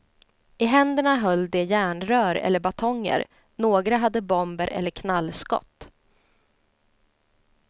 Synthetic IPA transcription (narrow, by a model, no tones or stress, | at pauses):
ɪɦɛnd̪əɳaɦœlːd̪ɛjæːɳɾœːɾɛ̰lːəɾbat̪ʰɔŋːə̰ɾ | noːɡɾaɦad̪ːəbɔmbəɾʔɛ̰lːəɾkʰnalːskɔ̰t̪ː